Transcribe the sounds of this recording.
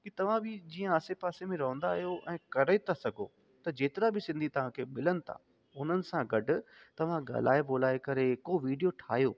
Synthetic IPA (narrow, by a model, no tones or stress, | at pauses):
kit̪ɐʋ̤ãbɪd͡ʑiːə̃ːsepaːsemẽɾɐɦə̃n̆d̪aːɦijoʔɛ̃ːkɐɾəet̪ʰasɐɡʱo̰ː | t̪ɐd͡ʑeːt̪ɪɾabʱɪsɪ̃nd̪ʱit̪ɐʋ̤ãkʰeːmɪlənɪ̆t̪ʰa̰ː | ʊn̤ənɪ̆sãɡɐɖʱʊ̆ | t̪ɐʋ̤ãɡa̰ːla̰ːeboːlaːekɐɾekoʋiːɖijoʈʰaːɦijoː